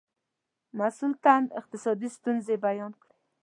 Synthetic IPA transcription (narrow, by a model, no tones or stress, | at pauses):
masult̪and̪ɪ̰q̚t̪ɪsɑd̪ist̪unzebajɑnkɽe